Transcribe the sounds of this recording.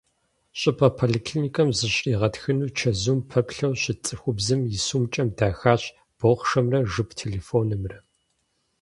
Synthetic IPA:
ɕʼɪpʰɐpʰoliːkʰlinikʰɐmzɨɕʼiːʁɐtxɨnuːt͡ʃʰɐzuːmpʰɐpɬɐwɕɪt͡sʼɨxʷʊbzɨmjɪsuːmt͡ʃʼɐmdaːxaːɕ | b̥oχʷʂɐmrɐʐɨpʰtʰeːleːfoːnɨmrɐ

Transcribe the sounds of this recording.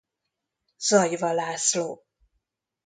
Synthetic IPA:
z̥ɒjvɒlaːsloː

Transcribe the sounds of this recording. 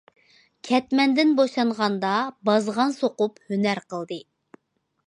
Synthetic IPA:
kʲʰɛt̪mɛnd̪ɪnboʃɑɴʁɑnd̪ɑbɑzʁɑnsoqʊphønæɾqʰəlˠd̪ɨ

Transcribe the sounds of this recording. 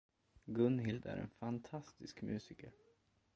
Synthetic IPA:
ɡɵnɦɪld̪æ̰ɾɛ̰nfant̪ʰast̪ɪskmjʉ̟ːsɪkəɾ

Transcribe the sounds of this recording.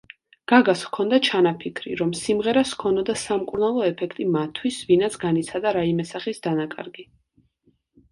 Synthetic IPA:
ɡ̥aɡaskʰɔnd̪at͡ʃʰanapʰikʰɾḭɾɔmsimʁɛɾaskʰɔnɔd̪asamkʼuɾnalˠɔɛpʰɛkʰt̪ʼimat̪ʰːwisvinat̪sɡanit̪sʰad̪aɾaimɛsaχisd̪anakʼa̰ɾɡi

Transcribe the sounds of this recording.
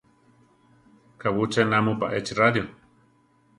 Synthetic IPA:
kawut͡ʃenamupaʔet͡ʃiraðjo

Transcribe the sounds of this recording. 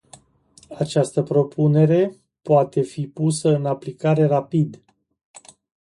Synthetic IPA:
at͡ʃast̪əpɾo̞pʰune̞ɾe̞ | poat̪e̞fipusəɨnaplikaɾe̞rapid̪

